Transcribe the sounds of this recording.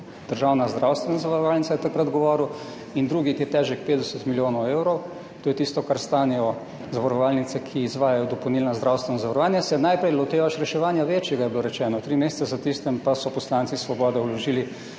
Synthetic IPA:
d̪̥əɾʒawnazd̪ɾawst̪ʋɛnazaʋaɾɔʋaːlnit̪sajɛt̪akɾad̪ɡɔʋɔːɾuw | ind̪ɾuːɡikiɛt̪ɛːʒɛk̚peːd̪d̪ɛsət̪miljoːnɔwewɾɔw | t̪oːjɛt̪ist̪ɔkaɾst̪aːnɛjɔ | zaʋaɾɔʋaːlnit̪sɛkʰiːzʋaːjajɔd̪ɔpownilnazd̪ɾawst̪ʋɛnɔzaʋaɾɔʋaːnjasɛnajpɾɛjlɔt̪eːʋaʃɾɛʃɛʋaːnjaʋeːt͡ʃjɛɡajɛbiloɾɛt͡ʃɛːnɔt̪ɾiːmeːsɛ̥t̪sɛzat̪ist̪ɛmpasɔpɔslant̪sisʋɔbɔːd̪ɛulɔʒiːli

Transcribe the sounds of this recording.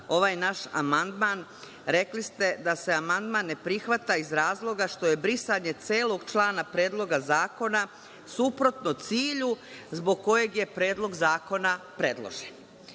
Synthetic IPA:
o̞ʋaːjnaʃa̰mand̪maːn | ɾe̞klist̪e̞d̪ase̞amand̪manːe̞pɾixʋat̪aizɾaːzlˠo̞ɡaʃt̪o̞je̞bɾisaɲe̞t̪seːlˠo̞ɡt͡ʃlˠaːnapɾe̞ːd̪lˠo̞ɡazaːko̞na | supɾo̞t̪not̪siːʎuzbo̞ɡ̚ko̞je̞ɡje̞pɾe̞ːd̪lˠo̞ɡzaːko̞napɾe̞d̪lˠo̰ʒen

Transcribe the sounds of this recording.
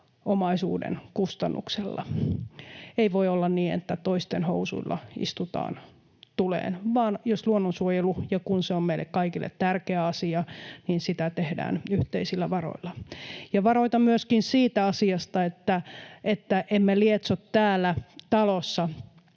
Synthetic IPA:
omɑisṵːdḛnkust̪ɑnːṵkselːɑ̰ | eiʋoiolːɑnniːḛt̪ːæt̪oist̪enho̰usṵilːɑ̰ḭst̪ut̪ɑ̰ːn | t̪ulḛːnʋɑːnjosluonːonsuojelujɑkunseommeilːḛkkɑikilːʔḛt̪t̪ærkeæɑsiɑniːnsit̪æt̪ehdæ̰ːnyht̪eisilːæʋɑro̰ilːɑjɑʋɑroit̪ɑmyøskinsiːt̪æɑsiɑst̪ɑet̪ːæʔet̪ːæʔemːeliet̪sot̪tæːlːæt̪ɑlosːɑ

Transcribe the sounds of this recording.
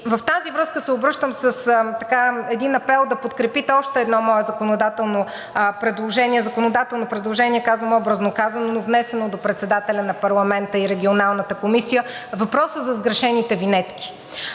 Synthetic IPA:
vɐft̪azivɾɤskəsɛobɾɤʃt̪əmsəst̪ɐkaɛd̪inɐpɛlˠd̪ɐpot̪kɾɛpit̪ɛɔʃt̪ɛːd̪nɔmɔɛzɐkonod̪at̪ɛlˠno | pɾɛd̪lˠoʒɛniɛzɐkonod̪at̪ɛlˠnopɾɛd̪lˠoʒɛniɛkazvəmɔbɾəznokazɐnonovnɛsɛnod̪opɾɛt̪sɛd̪at̪ɛlʲɐnɐpɐɾlˠɐmɛnt̪əiɾɛɡʲionalˠnət̪əkomisijəvɐpɾɔsəzɐzɡɾɐʃɛnit̪ɛvinɛt̪kʲi̥

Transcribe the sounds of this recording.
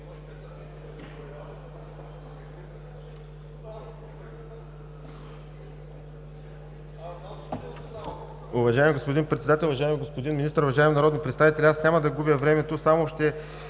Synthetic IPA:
ʊvɐʒaɪmiɡospod̪inpɾɛt̪sɛd̪at̪ɛlʲˠʊvɐʒaɪmiɡospod̪inminist̪əɾʊvɐʒaɛminɐɾɔd̪npɾɛt̪t̪avit̪ɛlʲɛasnʲamɐd̪ɐɡubjəvɾɛmɛt̪osamoʃt̪ɛ

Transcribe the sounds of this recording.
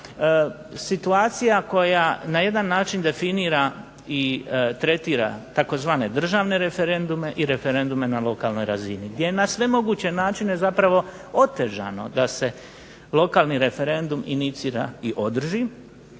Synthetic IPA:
sit̪uaːt̪sijako̞janaje̞d̪anːaːt͡ʃind̪e̞finiːɾa | it̪ɾe̞t̪iːɾa̰t̪ako̞zʋaːne̞d̪r̩ʒaːʋne̞ɾe̞fe̞ɾe̞nd̪ume̞ʔiɾe̞fe̞ɾe̞nd̪ume̞nalˠo̞kaːlno̞jɾaziniɡd̪jejenasʋe̞mo̞ɡuːt͡ɕe̞naːt͡ʃine̞zapɾaʋo̞ | o̞t̪e̞ʒa̰no̰d̪ase̞ | lˠo̞kaːlˠniɾe̞fe̞ɾe̞nd̪umḭnit̪siːɾa̰iʔo̞d̪r̩ʒi

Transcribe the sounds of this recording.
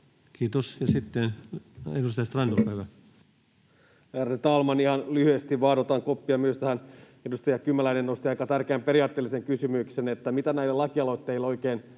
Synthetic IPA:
kʰiːt̪osjɑsit̪ːenedust̪ɑjɑst̪rɑndolpæiʋæ | æret̪ɑlmɑnihɑnlyhyest̪iʋʋɑːdot̪ɑŋkopːiɑmyøst̪æhæn | edust̪ɑjɑkymːælæinenːost̪iɑjkɑt̪ærkeæmpeɾiɑːt̪ːeːliseŋkysymyksenet̪ːæmit̪ænæilelɑkiɑloit̪ːeilːo̞ikeːn

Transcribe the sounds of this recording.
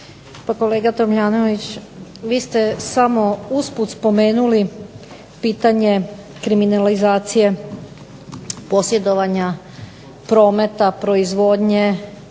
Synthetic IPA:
pako̞le̞ːɡat̪o̞mʎaːnoʋit͡ɕʋiːst̪e̞samo̞usput̪spo̞meːnuli | piːt̪aɲe̞ | kɾiminalizaːt̪sije̞ | po̞sje̞d̪o̞ʋaɲa | pɾo̞ːme̞t̪apɾo̞izʋo̞d̪ɲe̞

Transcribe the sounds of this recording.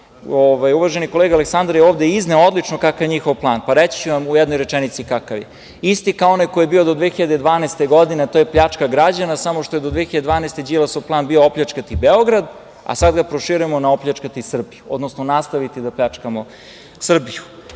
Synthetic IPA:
oʋajuʋaʒenikoleɡaleksand̪ɾjeoːʋd̪eizneood̪lˠit͡ʃnokakajɲixoʋplˠaːnpaɾet͡ɕi̥t͡ɕuʋamujɛd̪nojɾet͡ʃɛnit̪sikakaʋje | ist̪ikaoonajkojebiod̪od̪ʋexiʎad̪ed̪ʋaːnejst̪eɡo̞d̪inet̪ojepʎat͡ʂkaɡɾad͡ʑanasamoʃt̪o̞jed̪od̪ʋexiʎad̪d̪ʋaːneːst̪e̞d͡ʒilˠasoplˠaːnbioopʎʲat͡ʃkat̪ibeoɡɾad̪ | a̰sad̪ɡapɾoʃiɾuemo̞naoplʎʲat͡ʃkat̪isr̩bijuod̪nosnonast̪aʋit̪id̪aplʎat͡ʂkamo̞ | sr̩biju

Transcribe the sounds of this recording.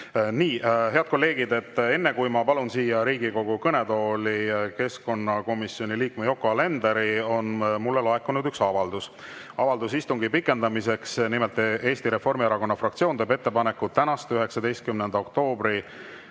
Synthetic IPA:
niːɦe̞ɑd̪̚ko̞lːe̞ːɡ̥id̪e̞t̪ːe̞nːe̞kujmɑpɑlunsiːjɑɾiːɡiko̞ɡ̥ukɤne̞d̪o̞ːlike̞sko̞nːɑko̞misio̞nʲiliːkmejo̞kːˑoɑle̞nd̪eɾio̞nmulːelɑekːunud̪yksɑvɑld̪us | ɑvɑld̪̥usist̪uŋɡ̥ipikːˑe̞nd̪ɑmise̞ksnimelt̪ːˑʔe̞ːst̪iɾe̞fo̞rmieɾɑko̞nːɑfrɑkt̪sio̞ːnt̪øːbe̞t̪ːe̞pɑne̞kːut̪ːænɑst̪yɦe̞ksɑd̪e̞jst̪̚kymnend̪ɑo̞k̚t̪o̞ːbɾi

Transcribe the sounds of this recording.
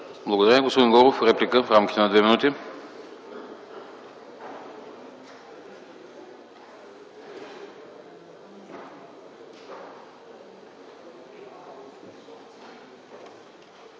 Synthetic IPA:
blˠɐɡod̪ɐɾamʲiɡospod̪ĩnɡɔɾofɾɛplikəfɾamkʲit̪ɛnɐd̪vɛminut̪i

